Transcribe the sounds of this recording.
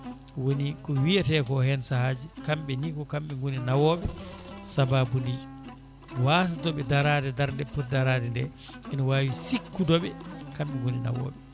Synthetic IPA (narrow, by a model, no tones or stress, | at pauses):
wonikɔwijatɛkɔhɛnsahad͡ʒikamɓɛnikɔkamɓɛŋɡoninawɔːɓɛsababundi | waːs̬atɔɓɛdaɾaːdɛdaɾndɛpɔt̚daɾaːdɛndɛ | ʔɛnɔwaːwisikːudɔɓɛkamɓɛŋɡonina̰wɔ̰ːɓɛ